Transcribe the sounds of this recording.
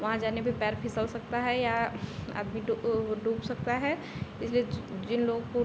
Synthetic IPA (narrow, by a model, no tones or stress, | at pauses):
ʋɐɦãd͡ʒaːnebʱipɛːɾpʰɪsəlsɐk̚t̪aɦɛjaa̰ːd̪miɖɖuːbsɐk̚t̪aɦɛ | ɪslied͡ʒɪnloːɡko